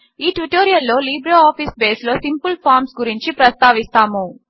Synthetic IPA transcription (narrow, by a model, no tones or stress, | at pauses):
iːʈʋuʈoːɾijɐlːo̞ːliːbɾoːaːpʰisbe̞ːslo̞ːsimpulpʰaːɾmsɡuɾiɲt͡ʃipɾɐst̪aːʋist̪aːmu